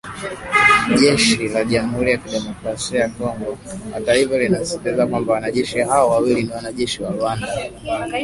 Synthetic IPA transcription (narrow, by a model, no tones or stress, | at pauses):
ʄɛʃilaʄamuhuɾijakiɗɛmɔkɾasiajakɔŋɡɔa̰taifalinasɛtizakwambawanaʄɛʃiɦaɔwawiliniwanaʄɛʃiwaɾuanda